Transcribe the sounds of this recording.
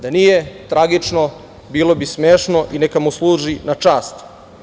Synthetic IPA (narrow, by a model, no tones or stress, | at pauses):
d̪anijet̪ɾaɡit͡ʂno | biːlo̞bismeːʃnoʔinekamuslˠuːʒinat͡ʂaːst̪